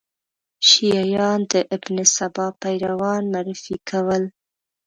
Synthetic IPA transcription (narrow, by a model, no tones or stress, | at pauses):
ʃijɑjɑnd̪əʔɪbnɪsabɑpajɾawɑnmaɾɪfikʰawəl